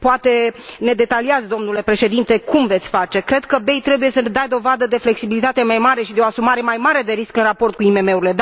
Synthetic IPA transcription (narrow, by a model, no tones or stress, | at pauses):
poat̪e̞ne̞d̪e̞t̪aliazd̪o̞mnule̞pɾe̞ʃe̞d̪int̪e̞kumvet̪sʲfat͡ʃe̞kɾe̞d̪̥kəbe̞jt̪ɾe̞buje̞səned̪ajd̪o̞vad̪əd̪e̞fle̞ksibilit̪at̪emajmaɾe̞ʃid̪eo̞asumaɾe̞majmaɾe̞d̪e̞ɾiskɨnrapo̞rt̪̚kuime̞me̞uɾile̞d̪